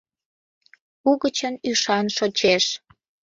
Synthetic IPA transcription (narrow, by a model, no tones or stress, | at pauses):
uɣət͡ɕənyʃɑnʃot͡ɕeʃ